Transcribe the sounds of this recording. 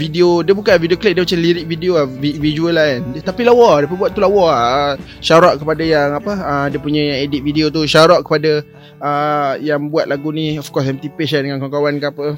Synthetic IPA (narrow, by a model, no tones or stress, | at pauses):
vidiodiəbukalvidiokleʔ̚diəmat͡ʃamliɾik̚vidioavivid͡ʒuəlaandət̪apilawɔdiəpəbuwat̪ʔ̪t̪ːulawɔaə | ʃaɾɔʔkəpadajaŋapəədiəpuɲə̃jaediʔ̪̚vidiot̪uʃaɾaʔkə̥pada | əjaŋbuat̪̚laɡuniɔfkɔsamt̪ipɪsadəŋankaŋkawankaapə